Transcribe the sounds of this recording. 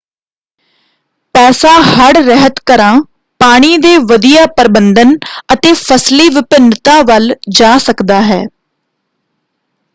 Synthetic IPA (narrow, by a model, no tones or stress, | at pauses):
pɛːsaːhəɽɾɛɦət̪kəɾãː | paːɽ̃iːd̪eːʋəd̪ijaːpəɾbənd̪ənət̪eːfʰəsliːʋɪpɪnt̪ãːʋəld͡ʒaːsəkd̪aːɦɛ̰ː